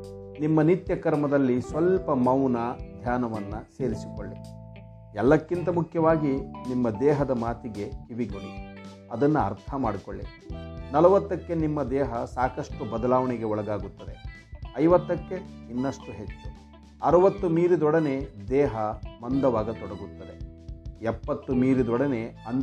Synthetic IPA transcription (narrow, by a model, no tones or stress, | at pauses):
nimːɐnit̪jɐkɐɾmɐd̪ɐlːisʋɐlpɐmɐwnɐd̪ʱjaːnɐʋɐnːɐse̞ːɾisi̥ko̰ɭːi | ɛlːɐkːint̪ɐmukʰjɐʋaːɡinimːɐd̪ɛːɦɐd̪ɐmaːt̪iɡe̞iʋiɡɐnu | ɐd̪ɐnːuɐ̰ɾt̪ʰɐmaːɽikoɭːi | nɐlɐʋɐt̪ːɐkːe̞nimːɐd̪ɛːɦɐsaːkɐʂʈubɐd̪ɐlaːʋɐɳɛɡe̞ɔɭɐɡaːɡut̪ːɐd̪e̞ | ɐjʋɐt̪ːɐkːeinːɐʂʈuɦet͡ʃːu | ɐɾɐʋɐt̪ːumiːɾid̪ɔɽɐne̞d̪ɛːɦɐmɐnd̪ɐʋaːɡɐt̪ɔɽɐɡut̪ːɐd̪e | ɛpːɐt̪ːumiːɾid̪ɔɽɐne̞ɐn